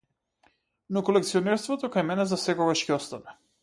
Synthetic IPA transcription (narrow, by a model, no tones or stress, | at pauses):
nɔkɔlɛkt̪siɔnɛɾst̪vɔt̪ɔkajmɛnɛzasɛkɔɡaʃcɛɔst̪avɛ